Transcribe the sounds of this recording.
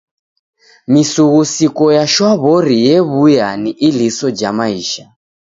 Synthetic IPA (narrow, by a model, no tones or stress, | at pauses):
misuɣusikɔjaʃwaβɔɾijeβujaniʔilisɔd͡ʒamaiːʃa